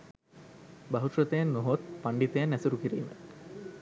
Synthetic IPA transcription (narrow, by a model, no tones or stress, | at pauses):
baɦut̪rət̪ejanːoɦot̪paɳɖit̪ejanːæsuɾukiɾḭːmə̰